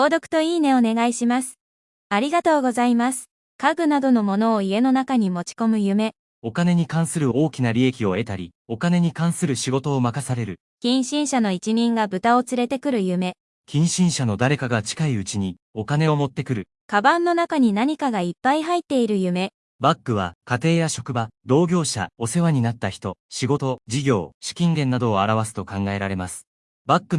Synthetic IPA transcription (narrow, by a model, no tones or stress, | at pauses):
o̞ːd̪o̞kɯ̟̥t̪o̞iːne̞o̞ne̞ɡaiɕimasɨ̥ | aɾʲiɡat̪o̞ːɡo̞zaimasɨ̥ | kaɡɯ̟nad̪o̞no̞mo̞no̞ːie̞no̞nakaɲ̟imo̞t͡ɕi̥ko̞mɯ̟jɯ̟me̞ | o̞kane̞ɲ̟ikãɰ̃sɨɾɯ̟o̞ːkʲinaɾʲie̞kʲio̞e̞t̪aɾʲḭo̞kane̞ɲ̟ikãɰ̃sɨɾɯ̟ɕiɡo̞t̪o̞ːmakasaɾe̞ɾɯ̟ | kʲĩɰ̃ɕĩɰ̃ɕano̞it͡ɕimʲĩŋɡabɯ̟t̪ao̞t͡sɨɾe̞t̪e̞kɯ̟ɾɯ̟jɯ̟me̞ | kʲĩɰ̃ɕĩɰ̃ɕano̞d̪aɾe̞kaɡat͡ɕi̥kaiɯ̟t͡ɕiɲ̟i | o̞kane̞o̞mo̞t̪ːe̞kɯ̟ɾɯ̟ | kabãnːo̞nakaɲ̟inaɲ̟ikaɡaipːaiɦait̪ːe̞iɾɯ̟jɯ̟me̞ | bakːɯ̟β̞akat̪e̞ːjaɕo̞kɯ̟bad̪o̞ːɡʲo̞ːɕa̰o̞se̞βaɲ̟inat̪ːaçi̥t̪o̞ɕiɡo̞t̪o̞d͡ʑiɡʲo̞ːɕi̥kʲĩŋɡẽ̞nːad̪o̞ːaɾaβasɨ̥t̪o̞kãŋɡae̞ɾaɾe̞masɨ̥ | bakːɯ̟